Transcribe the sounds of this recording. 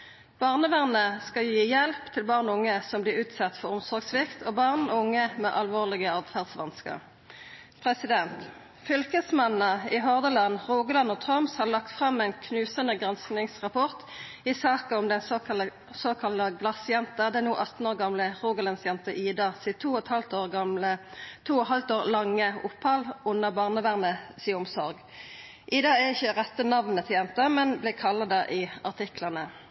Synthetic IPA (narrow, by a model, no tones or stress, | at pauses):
b̥ɑːʁnəʋæʁnəskɑjiːjɛlpt̪ʰɪlbɑːʁnʊŋːəsɔmblɪːʁʉːt̪sɑt̪ːfɔʁʊmsɔʁɡsʋɪkt̪ʰoːbɑʁnʊŋːəmɛʔɑlʋoːʁlɪɡəɑːʋfæʁd̪sʋɑnskə̰ʁ | pʰʁɛsɪd̪ɛnt̪ | fʏlkəsmɑnnəɪɦɔʁd̪əlɑnʁuːɡəlɑnːoːt̪ʰʁœmshɑlɑk̚t̪fʁɑmːɛɪnkʰnʉːsənəɡʁɑnsknɪŋsʁɑpʰɔʁt̪ | ɪsɑːkɑʊmd̪ɛn | soːkʰɑlɑɡlɑsjɛnt̪əd̪ɛnuːʔɑt̪n̩oːʁɡɑmləʁuːɡəlɑnsjɛnt̪əʔiːd̪ɑsɪt̪ʰuːɔt̪hɑlt̪oːʁɡɑlət̪ʰuːɔɦɑlt̪oːʁlɑŋːəʊpːhɑlʊnːəbɑːʁnəʋæʁnəsɪːʊmsɔʁɡ | ʔiːd̪ɑæɪçːəʁɛt̪ːənɑʋnət̪ʰɪjɛnt̪əmɛnblɪkʰɑlːɑd̪æʔɪɑʁt̪ʰɪklɑnə